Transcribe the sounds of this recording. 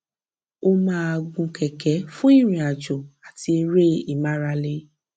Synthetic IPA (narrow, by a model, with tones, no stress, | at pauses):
o˧mãː˦a˧ɡũ˧kɛ˨kɛ˨˦fũ˦i˦˨ɾ̃ĩ˨a˨d͡ʒɔ˨a˨ti˧e˧ɾe˦i˨ma˦ɾa˧le˧˦